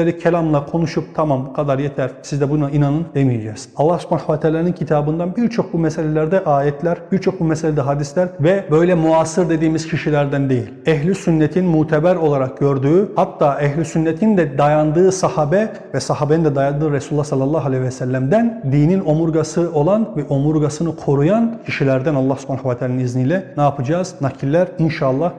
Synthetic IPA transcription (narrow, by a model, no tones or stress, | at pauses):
eɾicʰelʲamlˠakʰo̞nuʃup̚t̪ʰamambukʰad̪aɾjet̪ʰæɾsizd̪ɛbunainanɯnd̪emijed͡ʒɛːz̥ɑlˠːahsmanaxvat̪ʰaːlʲaːnɯncʰit̪ʰaːbɯnd̪anbiɾt͡ʃʰo̞k̚bumɛselʲelʲæɾd̪ɛʔaːjɛt̪ʰlʲæɾbiɾt͡ʃʰo̞k̚bumɛselʲed̪ɛɦad̪islʲæɾvɛbø̞jlʲɛmuaːsɯɾd̪e̞d̪iːmiz̥cʰiʃilʲæɾd̪ænd̪e̞jilʲɛɦlʲisynːɛt̪ʰinmuːt̪ʰɛbæɾo̞lˠaɾak̚ɟø̞ɾd̪yːhat̪ːaːʔɛɦlʲisynːɛt̪ʰind̪ɛd̪ajand̪ɯːsahaːbɛ | vɛsaɦaːbenind̪ɛd̪ajand̪ɯːɾesulːɑsalˠːɑlˠːɑɦalʲejvɛsælʲːæmd̪ænd̪iːnino̞muɾɡasɯo̞lˠanvɛʔo̞muɾɡasɯnɯkʰo̞ɾujancʰiʃilʲæɾd̪ænɑlˠːɑhsu̥pʰanaxavat̪ʰaːlaniniznijlʲɛnaːpʰɯd͡ʒaːznacʰilʲːæɾinʃaːlˠːɑh